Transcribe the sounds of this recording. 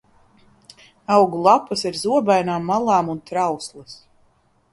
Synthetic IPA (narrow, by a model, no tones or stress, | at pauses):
awɡulˠapːasiɾzuɔbajnaːmːalˠaːmunt̪ɾawslˠɨs